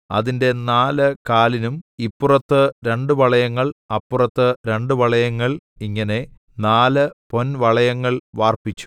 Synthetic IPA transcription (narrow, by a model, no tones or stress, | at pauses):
ɐ̰ðinde̞naːlɨkaːlinumipːurɐt̪ːɨɾe̞ɳɖɨʋɐɭɐjɐŋːɐɭɐpːurɐt̪ːɨɾe̞ɳɖuʋɐɭɐjɐŋːɐɭ | iŋːɐne̞ | naːlɨpo̞nʋɐɭɐjɐŋːɐɭʋaːrpit͡ɕːu̥